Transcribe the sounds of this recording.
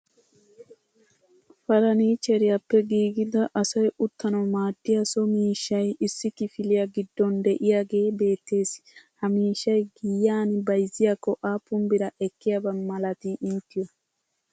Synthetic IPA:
fɐɾɐniːt͡ʃɛɾɪjɐpːɛɡiːɡɪd̪ɐʔɐsɐjʔʊt̪ʰːɐnɔmaːt̪ːɪjɐsɔmiːʃːɐjɪsːɪkɪfɪlɪjɐɡɪd̪ːɔnd̪ɛʔɪjaɡe̞ːbe̞ːt̪ːe̞ːshɐmiːʃːɐjɡɪjːaːnɪbɐjzɪjɐkːɔʔaːpːʊmbɪɾɐʔɛkːɪjɐbɐnmɐlɐt̪iʔɪnt̪ːɪjɔ

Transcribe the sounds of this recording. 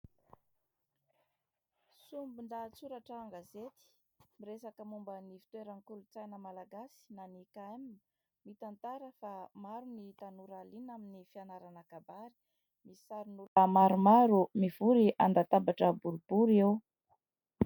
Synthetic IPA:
sumbund̪at͡suɾaʈ͡ʂaːŋɡazet̪i̥ | miɾesakəmumbənifi̥t̪weɾənkulut͡sajnəmalaɡasi̥nanikaemin | mit̪ant̪aɾəfamaɾunit̪anuɾalinaminifianaɾanakabaɾi̥ | misaɾinulamaɾumaɾumiv̥uɾiʔand̪at̪abaʈ͡ʂəbuɾub̥uɾew

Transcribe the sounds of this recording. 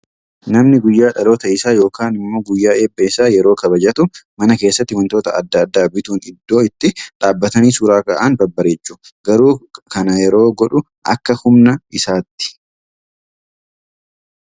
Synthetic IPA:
nɐmnɪɡʊjːaːᶑɐlo̞ːt̪ɐɪsaːjo̞ːkaːnɪmːo̞ːɡʊjːaːe̞ːbːɐɪsaːjɛɾo̞ːkɐbɐd͡ʒɐt̪ʊmɐnɐke̞ːsːɐt̪ːɪwɐnt̪o̞ːt̪ɐɐ̰d̪ːɐːd̪ːaːbɪt̪uːnɪd̪ːo̞ːɪt̪ːɪᶑaːbːɐt̪ɐniːsuːɾaːkɐʔaːnbɐbːɐɾeːt͡ʃːʊɡɐɾuːkɐnɐjɛɾo̞ːɡɔᶑʊ | ʔɐ̰kːɐhʊmnɐɪsaːt̪ːɪ̥

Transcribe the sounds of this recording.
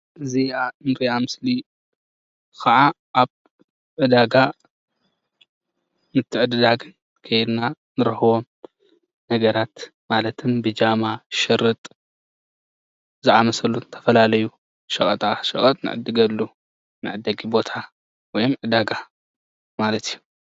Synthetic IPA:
ʔɨzianɾiamɨsli | kʰɐʕa | ʔaβ | ʕɨd̪aɡa | mɨt̪ʰːɨʕɨd̪ɨd̪aɡɨn | kʰɐjd̪na | nɨɾɐhɨβo̞m | nɐɡɐɾat̪malɐt̪ʰɨmbɨd͡ʒamaʃɪɾːɨt̪ʼ | zɨʕamɐsɐluɨt̪ʰɐ̥fɐlalɐju | ʃɐkʼɐt̪ʼaʃɐχʼɐt̪ʼnɨ̰ʕɨ̰d̪ɨɡɐlːu | nɨʕɨd̪ɐɡibo̞t̪ʰa | wɔjomʕɨd̪aɡa | malɐt̪ʰijːu

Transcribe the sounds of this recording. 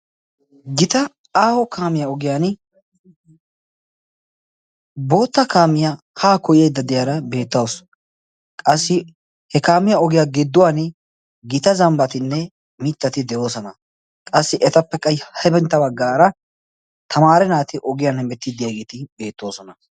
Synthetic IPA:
ɡɪt̪ɐ | aːhɔkaːmɪjaɔɡɪjaːn | bo̞ːt̪ːɐkaːmɪja | haːkɔjjɐjd̪ːɐd̪ɪjaːɾɐbe̞ːt̪ːɐws | kʼɐsːɪ | hɛkaːmɪjaɔɡɪjaːɡɪd̪ːʊwaːn | ɡɪt̪ɐzɐmbɐt̪ɪnːɛ | mɪt̪ːɐt̪ɪd̪ɛjo̞ːsɔnɐ | kʼɐsːɪʔɛt̪ɐpːɛkʼɐjhɐjbɛnt̪ːɐbɐɡːaːɾɐ | t̪ʰɐmaːɾɛnaːt̪ɪʔɔɡɪjaːnɛmɛt̪ːɪd̪ɪjaːɡeːt̪ɪbe̞ːt̪ːo̞ːsɔnɐ

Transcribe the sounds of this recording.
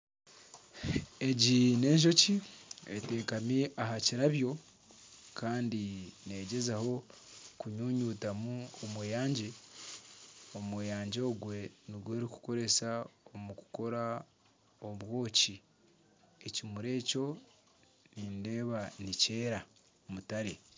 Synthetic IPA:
e̞ɟine̞ːɲʃ̬o̞ciete̞ːkamiʔaɦaciɾaβjo̞ | kʰaːndine̞ːɟe̞zaho̞ | kuɲuːɲuːtamuomwejaːɲɟe | omwejaːɲɟoːɡwe̞niɡweːɾiku̥ko̞ɾe̞saomuku̥ko̞ɾa | oβwo̞ːci | e̞cimuɾe̞ːco̞ | ninde̞ːβanice̞ːɾa | mutaɾe

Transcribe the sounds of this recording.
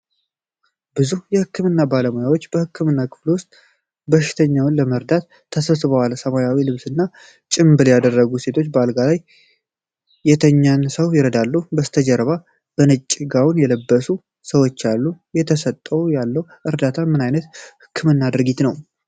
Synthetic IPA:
bɨzuhjɛhɨkʰːɨmɨnːabaləmojawot͡ʃːb̥əhɨkʰːɨmɨnːakʰɨ̥fluwʊst̪ʼ | bəʃːɪ̥t̪ʰəɲːawɨnləməɾd̪at̪ʰːəsəsɨβəwalsəmajawilɨβsɨnːa | t͡ʃʼɪmbɨljad̪ərːəɡuse̞t̪ʰo̞t͡ʃːbəalɡalaj | jɛt̪ʰəɲːansəwjɪɾəd̪alːubəst̪ʰəd͡ʒɛɾβa | b̥ənɨt͡ʃʼːɪɡawʊnjɛləbːəsu | səwo̞t͡ʃːalːujɛt̪ʰəsət̪ʼːəwjalːəwʔɨɾd̪at̪ʰamɨnajnət̪hɨkʰːɨmɨnːad̪ɨɾɡit̪nəw

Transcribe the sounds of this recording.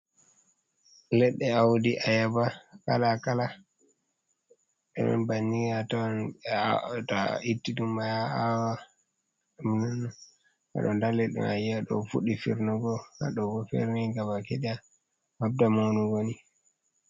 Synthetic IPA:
lɛɗːɛawudiʔajabaka̰lakala | ɓɛɗɔ̰nbanːijatan | taitːiɗumːajaawa | amnana | ha̰ɗɔndalɛɗɛ̰najiaɗɔ̰fuɗifiɾnuɡɔha̰ɗɔɡɔfɛ̰ɾniŋɡabakɛɗɛa | mab̚damawnuɡoni

